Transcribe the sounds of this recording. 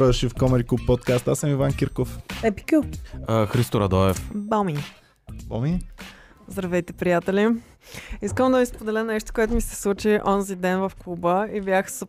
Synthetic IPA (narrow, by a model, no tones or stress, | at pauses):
ʃifkɔmɛɾikupːɔt̪kast̪asəmivankʲiɾkofɛpi̥kʲuxɾist̪ʊɾɐd̪ɔɛfbami | bɔ̰mi | zd̪ɾɐvɛjt̪ɛpɾijat̪ɛlʲi | iskəmd̪ɐvispod̪ɛlʲənɛʃt̪o̥koɛt̪ʊmisɛ̥slˠut͡ʃiʔɔnzid̪ɛnvɐfklˠubəibjaxs